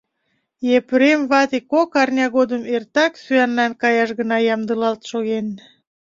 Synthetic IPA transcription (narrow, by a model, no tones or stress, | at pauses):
jepɾemβɑt̪ekokɑrnʲɑɣod̪əmert̪ɑksyænlɑnkɑjɑʃɣənɑjɑmd̪əlɑlt̪ʃoɣen